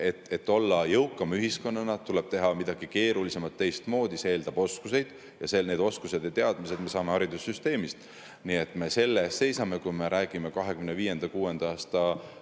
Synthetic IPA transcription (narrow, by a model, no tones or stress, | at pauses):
e̞t̪ːˑe̞t̪ːo̞lːɑjɤwkːˑɑmyɦisko̞nːɑnɑt̪ːule̞b̥̚t̪e̞ɦɑmid̪̥ɑɡ̥ike̞ːɾulise̞mɑt̪ːe̞jst̪mo̞ːd̪iseeːld̪̥ɑb̥o̞skuse̞jd̪̥ | jɑ̰sene̞ːd̪o̞skuse̞d̪et̪e̞ɑd̪̥mise̞d̪̥me̞sɑːme̞hɑɾid̪̥usːyst̪e̞ːmist̪ | nie̞t̪ːˑme̞se̞lːest̪se̞jsɑme̞kujme̞ɾæːɡ̥ime̞kɑɦe̞kymneviːje̞nd̪̥ɑkuːe̞nd̪̥ɑɑːst̪ɑ